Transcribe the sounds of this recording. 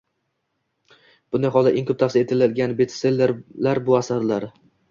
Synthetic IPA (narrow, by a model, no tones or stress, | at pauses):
b̥ʊnd̪ajɦɒlˠd̪a̰ʔeŋkʰɵp̚t̪ʰafset̪ʰɪlɪd̪ɡʲanbet̪ʰselːeɾlaɾbʊasaɾlaɾ